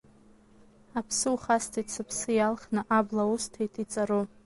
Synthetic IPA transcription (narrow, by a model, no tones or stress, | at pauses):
apʰsɨuχastʰit͡sʰɨpʰsɨjalχnɨʔablaustʰejtʰit͡sʼaro